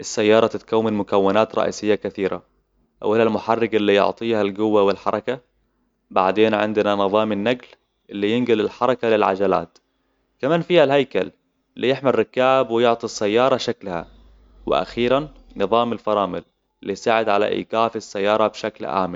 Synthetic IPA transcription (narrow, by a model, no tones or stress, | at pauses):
ʔɪsːajːɑːɾˤɑt̪ɪt̪kawːɪnmʊkawːɪnaːt̪ɾˤɑ̰ʔḭːsɪjːakaθiːɾa̰ | ʔa̰wʔɪlalmʊħɑrːɪɡʔɪlːijʊ̰ʕt̪ˤiːhalɡʊwːawɪlħɑ̰ɾˤɑka | baʕd̪eːnʕɪ̰nd̪nanɨðˤɑːmɪnːaɡl | ʔɪlːijɪnɡalɪlħɑɾˤɑkalɪlʕa̰d͡ʒala̰ːt̪ | kamaːnfiːhalɦajkal | ɪlːijɪħmalːɪkaːbwɪjʊʕt̪ˤisːajːɑːɾˤɑʃaklha̰ | wɪ̰ʔa̰xiːɾanːɨðˤɑːmɪlfɑɾˤɑːmɪl | ɪlːijsaːʕɪd̪ʕala̰ʔḭːɡaːfisːajːɑːɾˤɑbʃaklʔa̰ːmɪ